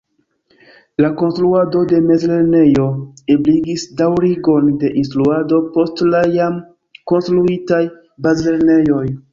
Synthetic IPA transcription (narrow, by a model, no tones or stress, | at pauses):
lako̞nstɾuado̞de̞me̞zle̞ɾne̞jo̞ebliɡisdawɾiɡo̞nde̞ʔinstɾuado̞po̞stlajam | ko̞nstɾuitaj | bazle̞ɾne̞jo̞j